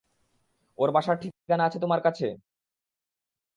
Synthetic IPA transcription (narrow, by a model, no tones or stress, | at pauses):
oɾbaʃaɾʈʰik̚kanaat͡ɕʰet̪omaɾkat͡ɕʰe